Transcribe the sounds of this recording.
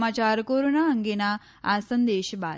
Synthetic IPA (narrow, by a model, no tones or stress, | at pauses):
maːt͡ʃaːɾkoːɾonaɐŋɡena | aːsɐnd̪eːʃɐba̰ː